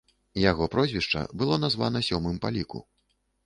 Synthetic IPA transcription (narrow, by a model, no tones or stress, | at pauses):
jaɣɔpɾɔzʲvʲiʂt͡ʂɐ̰bɨlˠɔnazva̰nɐsʲɔmɨmpalʲikṵ